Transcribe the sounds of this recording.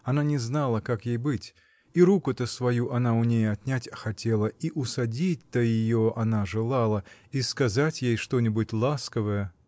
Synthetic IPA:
ɐnanʲɪznalˠəkakjejbɨtʲ | iɾukʊt̪əsvɐjuʔɐnaʊnʲejɐt̪nʲætʲɐxɐtʲe̞lˠəiʔʊsɐdʲitʲt̪əjɪjoʔɐnaʐɨlˠalˠəiskɐzatʲjejʂt̪o̞nʲɪbʊtʲlˠaskəvəjə

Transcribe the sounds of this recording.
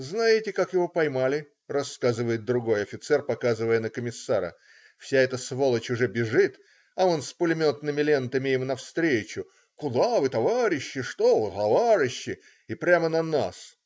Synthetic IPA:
znajɪtʲɪkakjɪvo̞pɐjmalʲɪ | rɐskazɨvəjɪt̪̚d̪ɾʊɡo̞jɐfʲɪt̪sɛrpɐkazɨvəjənəkəmʲɪsːaɾə̰ | fsʲaɛt̪əsvo̞lˠət͡ɕʊʐɛbʲɪʐɨt̪ | ɐo̞nspʊlʲɪmʲo̞t̪nɨmʲɪlʲe̞nt̪əmʲɪjɪmnɐfst̪ɾʲet͡ɕʊ | kʊd̪avɨt̪ɐvaɾʲɪɕːɪʂt̪ovɨt̪ɐvaɾʲɪɕːɪ | ɪpɾʲamənɐnas

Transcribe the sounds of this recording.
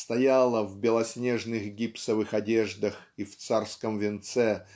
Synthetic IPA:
st̪ɐjalˠəvbʲɪlˠɐsʲnʲeʐnɨxɡʲipsəvɨxɐdʲeʐd̪əxift̪sarskəmvʲɪnt̪sɛ

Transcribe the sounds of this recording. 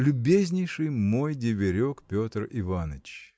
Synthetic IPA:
lʲʊbʲezʲnʲɪjʂɨjmo̞jdʲɪvʲɪɾʲokpʲo̞t̪rɪvanət͡ɕ

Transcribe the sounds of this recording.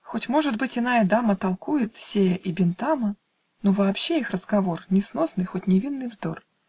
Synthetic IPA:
xo̞tʲmo̞ʐɨd̪bɨtʲɪnajəd̪amət̪ɐlˠkujɪt̪sʲejəʔibʲɪnt̪amə | novɐːpɕːeixrəzɡɐvo̞rnʲɪsnosnɨjxotʲnʲɪvʲinːɨjvzd̪o̞r

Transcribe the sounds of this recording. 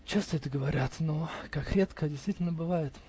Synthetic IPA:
t͡ɕest̪əɛt̪əɡəvɐɾʲat̪nokakɾʲet̪kədʲɪsʲt̪vʲitʲɪlʲnəbɨvajɪt̪

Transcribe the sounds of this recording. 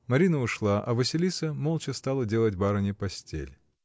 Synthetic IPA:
mɐɾʲinəʊʂlˠaʔɐvəsʲɪlʲisəmolˠt͡ɕəst̪alˠədʲe̞lˠətʲbaɾənʲɪpɐsʲtʲḛlʲ

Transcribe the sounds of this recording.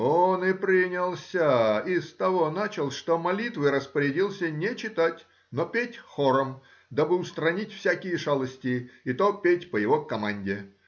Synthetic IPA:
onɨpɾʲinʲɪlˠsʲəɪst̪ɐvo̞nat͡ɕɪlˠʂt̪omɐlʲit̪vɨɾəspəɾʲɪdʲilˠsʲənʲɪt͡ɕɪt̪atʲ | nopʲetʲxoɾəm | d̪abɨʊst̪ɾɐnʲitʲfsʲakʲɪjəʐalˠəsʲtʲɪjɪt̪opʲetʲpəjɪvokɐmanʲdʲɪ

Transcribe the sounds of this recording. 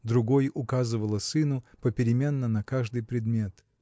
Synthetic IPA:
d̪ɾʊɡo̞jʊkazɨvəlˠəsɨnʊpəpʲɪɾʲɪmʲe̞nːənɐkaʐd̪ɨjpɾʲɪd̪mʲe̞t̪

